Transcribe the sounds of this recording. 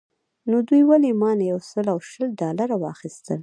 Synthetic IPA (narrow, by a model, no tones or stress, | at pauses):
nod̪ujwalemɑnjawsəlawʃəlɖɑlaɾawɑ̰xist̪əl